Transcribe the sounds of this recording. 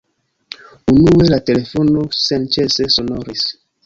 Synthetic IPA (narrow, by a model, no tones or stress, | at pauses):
unuwelatelefonosãnt͡ʃesesonɔɾis